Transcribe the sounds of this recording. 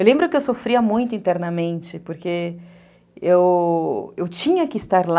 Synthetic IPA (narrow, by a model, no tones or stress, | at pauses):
ewlẽmbɾʊkɪewsofɾiɐmũj̃t̪ʊĩnt̪ɛɾnɐmẽnt͡ʃɪpoɾke | ew | ewt͡ʃĩɲɐkɪst̪aɾl